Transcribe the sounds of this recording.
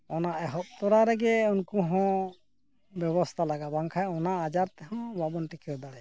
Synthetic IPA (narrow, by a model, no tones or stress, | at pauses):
ɔnaʔɛɦɔp̚t̪ɔɾaɾɛɡɛunkuɦɔ̃ | bjɛbɔst̪ʰalaɡabaŋkʰajɔnaːd͡ʒaɾt̪ɛɦɔ̃babɔnʈikʰɾɛd̪aɽɛ